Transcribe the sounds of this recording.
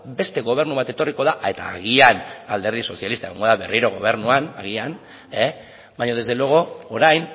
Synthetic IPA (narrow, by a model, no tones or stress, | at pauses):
be̞st̪e̞ɣo̞β̞e̞ɾnuβat̪e̞t̪o̞riko̞ðaʔe̞t̪a̰ːɣiana̰ld̪e̞ɾð̞iso̞sialist̪aeɣoŋɡo̞ðaβe̞riɾo̞ɣ̞o̞̰β̞e̞ɾnuanaɣian | e | baɲoð̞ezðe̞loɣ̞ooɾajn